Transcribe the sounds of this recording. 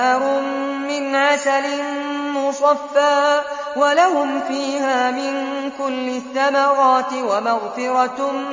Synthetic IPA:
ɾʊmː | ɪnʕasalɪnmʊsˤɑfːaː | walahʊmfiːhaːmɪnkʊlːɪθːamaɾˤɑːt̪ɪwamaɣfɪɾɑ

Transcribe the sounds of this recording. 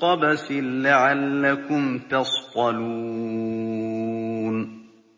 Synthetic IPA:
qɑbasɪnːaʕalːakʊmt̪ɑsqɑluː | n

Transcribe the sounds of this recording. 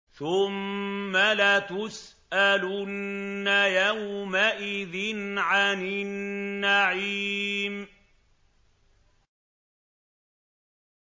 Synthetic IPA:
θʊmːalat̪ʊs | ʔalʊnːajawmaʔɪðɪnʕanɪnːaʕiːm

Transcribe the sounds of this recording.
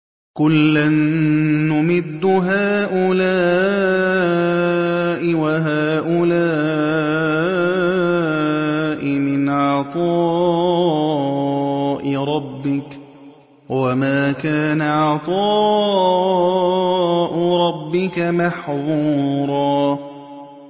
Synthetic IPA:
kʊlːanː | ʊmɪd̪ːʊɦaːʔʊlaː | ʔɪwaɦaːʔʊlaː | ʔɪmɪnʕɑt̪ˤɑː | ʔɪɾˤɑbːɪk | wamaːkaːnaʕɑt̪ˤɑː | ʔʊɾˤɑbːɪkamɑħðˤuːɾˤɑː

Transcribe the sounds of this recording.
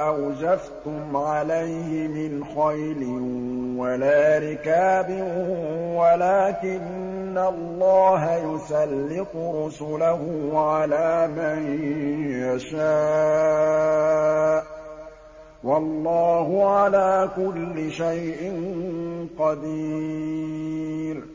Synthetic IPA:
ʔawd͡ʒaft̪ʊmʕalajhɪmɪnxajlɪnwalaːɾɪkaːbɪ | walaːkɪnː | alˤːɑːɦajʊsalːɪt̪ˤʊɾʊsʊlahʊʕalaːmanjaʃaː | ʔ | wɑlˤːɑːhʊʕalaːkʊlːɪʃajʔɪnqɑd̪i | ɾ

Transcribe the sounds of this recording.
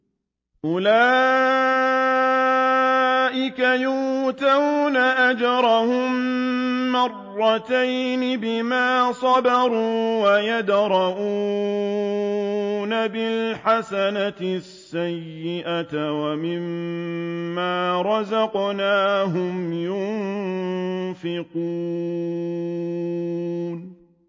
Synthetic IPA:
ʔʊlaː | ʔɪkajʊːt̪awnaʔad͡ʒɑɾˤɑhʊmː | ɑrˤːɑt̪ajnɪbɪmaːsˤɑbɑɾuːwajad̪ɾˤɑʔuː | nabɪlħasanasːajjːɪʔawamɪmː | aːɾˤɑzɑqnaːɦʊmjʊm | fɪqu | n

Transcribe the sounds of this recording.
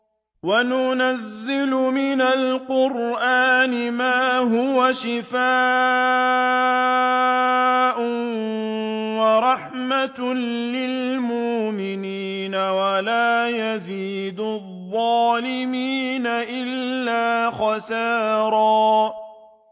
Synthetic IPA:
wanʊnazːɪlʊmɪnalqʊɾʔaːnɪmaːɦʊwaʃɪfaː | ʔʊ | waɾˤɑħmat̪lɪlmʊʔmɪniːnawalaːjaziːd̪ʊðˤːɑːlɪmiːnaʔɪlːaːxɑsaːɾˤɑː

